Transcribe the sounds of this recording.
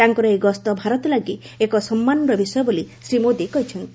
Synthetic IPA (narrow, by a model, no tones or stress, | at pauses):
aŋkɔɾɔeɡɔst̪ɔbʱaɾɔt̪ɔlaɡi | ekɔsɔmːanɾɔbisɔjɔbolisɾimod̪ekɔɦit͡ʃʰɔnt̪i